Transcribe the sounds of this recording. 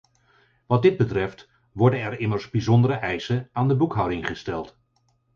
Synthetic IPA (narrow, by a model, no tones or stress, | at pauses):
ʋɑt̚dɪd̚bətrɛft | ʋɔɹdənɛɹɪməɹzbizɔndəɾəʔɛjsənaːndəbukɦʌwdɪŋχəstɛlˠt